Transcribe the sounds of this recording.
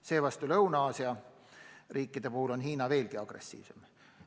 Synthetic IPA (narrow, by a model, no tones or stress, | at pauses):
se̞ːvɑst̪ulɤwnɑːsiɑ | riːkːˑid̪̥e̞puhulo̞nɦiːnɑve̞ːlɡiɑɡ̥re̞̰sːḭːvse̞m